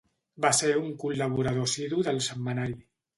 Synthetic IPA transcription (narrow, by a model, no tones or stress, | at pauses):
baseɾuŋkulːəβ̞uɾəð̞osiðuðəlˠsəmːənaɾi